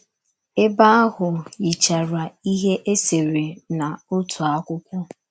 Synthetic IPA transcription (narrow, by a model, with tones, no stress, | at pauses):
e˦ba˦a˦ɦʊ˨i˨t͡ʃa˨ɾa˨i˦ɦe˦ʔe˦se˨ɾe˨na˨ʊ˦tu˨a˦kʷʊ˦kʷʊ˦